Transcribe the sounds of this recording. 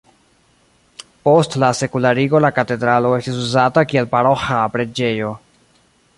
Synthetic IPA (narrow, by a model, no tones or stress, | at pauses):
po̞stlase̞kulaɾiɡo̞lakate̞dɾalo̞e̞stis̬uzatakie̞lpaɾo̞xapɾe̞d͡ʒe̞jo̞